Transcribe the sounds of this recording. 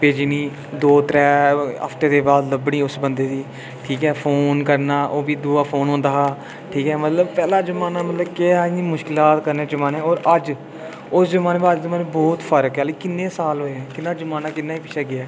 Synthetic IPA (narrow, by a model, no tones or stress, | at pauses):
peːd͡ʒiniː | d̪oːt̪ɾɛːə̰pʰt̪eːd̪eːbaːd̪ləbɽ̃iːʊsbənd̪eːd̪iː | ʈʰiːkɛːpʰoːnkəɾnaːʔoːbiːd̪uːaːpʰoːnɦõːnd̪aː | ʈʰiːkɛːmət̪ləbpɛːlaːzəmaːnaːmət̪ləbkeɛniːmʊʃkɪlaːt̪kəɾneːd͡ʒəmaːnẽːɔːɾəd͡ʒ | ʊszəmaːneːbaəd͡ʒzəmaːnebɔːt̪pʰəɾkɦɛːleːkɪnːẽːsaːlɦoːɛ̃ːkɪnːãːd͡ʒəmaːnaːkɪnːaːiːpɪt͡ʃʰaːɡɪaː